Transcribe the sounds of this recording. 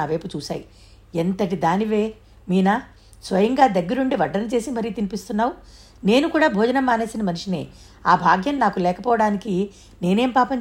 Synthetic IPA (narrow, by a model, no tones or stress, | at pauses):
aːʋɐjput͡ʃuːʃa̰ːji | ent̪ɐʈid̪aːniʋe̞ː | miːnaː | sʋɐjɐŋɡaːd̪ɐɡːɐɾuɳɖiʋɐɖɐɾnɐt͡ʃe̞ːsimɐɾiːt̪inipist̪unːaːwu | ne̞ːnukuːɽaːbʱoːd͡ʒɐnɐmːaːne̞ːsinɐmɐnuʂinḛ | aːbʱaːɡjɐnnaːkulɛːkɐpɔːʋɐɽaːniki | ne̞ːne̞ːmpaːpɐɲ